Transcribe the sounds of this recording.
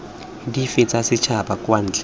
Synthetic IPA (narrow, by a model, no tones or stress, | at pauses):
difɪt͡sasɪt͡ʃʰabakwan̩ːt͡ɬʼɛ̥